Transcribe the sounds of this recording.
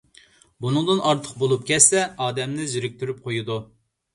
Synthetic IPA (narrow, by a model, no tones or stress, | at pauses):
bunɨŋd̪ɨnʔɑɾt̪ʰə̥q̚bolˠup̚kʲɛsɛɑːd̪ɛmnɪzyɾɪk̚ʲt̪ʰyɾyp̚qʰojud̪u